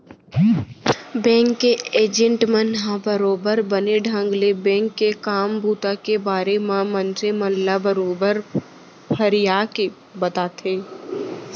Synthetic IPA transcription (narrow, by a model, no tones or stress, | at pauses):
bɛ̃ːŋkːeeːd͡ʒə̃ɳʈmənɦãbəɾoːbəɾbəneɖʱə̃ŋɡlebɛ̃ːŋkːekaːmbuːt̪akebaːɾemãmə̃nseməllabəɾoːbəɾ | pʰəɾijaːke | bɐt̪aːt̪ʰeː